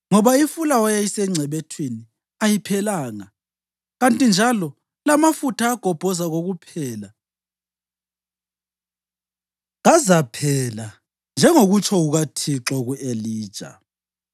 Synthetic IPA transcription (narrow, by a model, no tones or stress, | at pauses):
ŋɔβaifulawɔjajisɛŋ͡ǀʱɛβɛtʰwini | ajipʰɛlaːŋa | ɣantʼind͡ʒʱalɔ | lamafutʰaːɡ̥ʱɔb̥ʱɔzaɣoɣupʰɛːla | ɣazapʰɛla | nd͡ʒʱɛŋoɣut͡ʃʰʼɔɣuɣatʰiǁɔɣuʔeliːd̥ʒ̥ʼʱa̰